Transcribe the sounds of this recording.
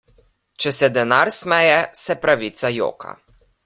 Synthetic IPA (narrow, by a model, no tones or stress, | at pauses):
t͡ʃɛsɛd̪ɛnaɾsmɛjɛsɛpɾaʋiːt̪sajo̰ːka̰